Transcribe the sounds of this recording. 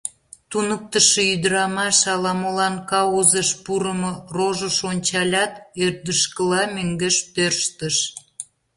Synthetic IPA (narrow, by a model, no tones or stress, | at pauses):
t̪unək̚t̪əʃeyd̪əɾɑmɑʃɑlɑmolɑnkɑozəʃpuɾəmoroʒəʃonʲt͡ɕɑlʲɑt̪ørd̪əʃkəlɑmøŋɡeʃt̪ørʃt̪əʃ